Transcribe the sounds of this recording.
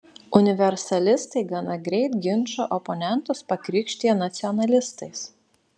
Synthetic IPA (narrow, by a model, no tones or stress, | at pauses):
ʊnʲɪʋʲɛɾsɐlʲɪst̪ɐɪɡɐnɐɡɾʲɛɪt̪ɡʲɪnʲˑʃo̰ːʔɔpɔnʲɛnˑt̪ʊspɐkɾʲɪːkʃʲt̪ʲiɛnɐt̪sʲɪɔnɐlʲɪst̪ɐɪs